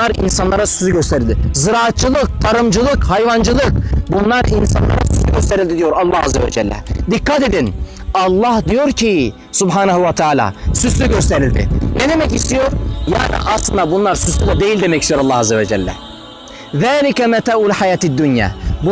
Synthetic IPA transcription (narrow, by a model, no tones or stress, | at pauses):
aɾḭnsanlˠaɾasy̥zyɟøst̪ʰe̞ɾild̪izɯɾaːt̪̚t͡ʃɯlˠɯk̚t̪ʰaɾɯmd͡ʒɯlˠɯkhajvand͡ʒɯlˠɯkbunlˠaɾinsa̰nlˠa̰ɾasysyɟøst̪ʰeɾilʲd̪id̪ijo̞ɾalˠːaːha̰zːevɛ̰d͡ʒɛlʲːɛ̰d̪ikːat̪e̞d̪in | alˠːahd̪ijo̞ɾcʰi | subħaːnaɦuvat̪ʰaːlʲa̰ːsyslʲyɟøst̪ʰe̞ɾilʲd̪ɪ̰ned̪e̞mɛcist̪ijo̞ɾja̰ːnḭʔaslˠɯnd̪abunlˠaɾsysyd̪ɛd̪e̞jilʲd̪emɛcist̪ijoɾalːaɦazːevɛd͡ʒɛlʲːɛ̰ | ðæːlʲikɛmɛt̪ʰaːulʲħajaːt̪id̪ːunjæ̰ːbu